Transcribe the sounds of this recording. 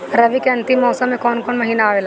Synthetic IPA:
ɾɐʋikeɐ̃nt̪ɪmːɔːsəmːẽkɔːnkɔːnmɐɦiːnaːʋeːla

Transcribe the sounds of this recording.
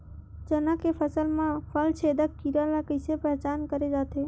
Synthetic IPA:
d͡ʒənakepʰəsəlmãpʰəlt͡ʃʰed̪əkkiɾalakəɪsepəɦt͡ʃankəɾed͡ʒat̪e

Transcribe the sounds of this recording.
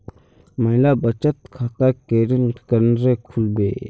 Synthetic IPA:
mɐɦilabɐt͡ʃət̪kʰaːt̪akeːɾiŋkəɾnɾekʰulbḛː

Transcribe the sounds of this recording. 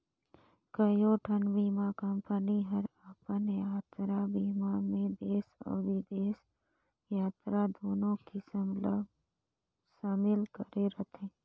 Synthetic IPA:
kəjoʈʰənbiːmakəmpəniɦəɾapənjaːt̪ɾabiːmamẽd̪eːsɔ̰ːɾʋid̪eːs | jaːt̪ɾad̪oːnõkisəml | ʃaːmɪlkəɾeɾət̪ʰẽː

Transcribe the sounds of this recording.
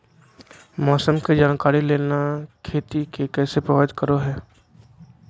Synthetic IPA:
mɔːsəmked͡ʒaːnkaːɾileːnakʰeːt̪ikekɛːsepɾəʋaɪd̪kəɾoɦɛː

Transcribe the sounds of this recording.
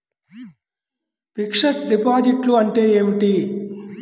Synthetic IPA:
pikʂɐʈ̚ɖipaːd͡ʒiʈluɐɳʈe̞ːeːʋiʈi

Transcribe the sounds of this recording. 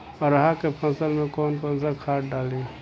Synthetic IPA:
ɔɾɐɦakepʰɐ̃ːsəlmẽkɔːnkɔːnsakʰaːʈ̚ɖaːleː

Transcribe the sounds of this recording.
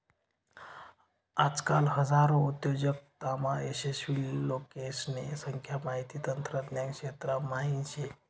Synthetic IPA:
ad͡zkalɦəd͡zaɾout̪jod͡ʑək̚t̪amaesesʋilːokesnesəŋkʰjamaɦit̪iːt̪ənt̪ɾət̪njaŋkʂet̪ɾamaɦint͡ɕe

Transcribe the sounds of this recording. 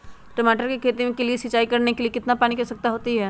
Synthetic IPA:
ʈɐmaːʈəɾkekʰeːt̪imẽkeliesɪt͡ʃːaːikɐɾnekeliekɪt̪napaːñikɐsɐk̚t̪aɦoːt̪iɦɛː

